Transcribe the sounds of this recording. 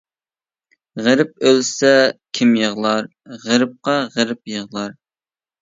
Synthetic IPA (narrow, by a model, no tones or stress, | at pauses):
ʁəɾɪp̚ølsɛkʲʰimjəʁlˠɑɾ | ʁəɾɨp̚qɑʁəɾɪp̚jəʁlˠɑɾ